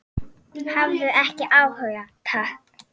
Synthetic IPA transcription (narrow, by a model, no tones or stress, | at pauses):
havɾʏɛhcɪʔawhœɣjat̪ʰaht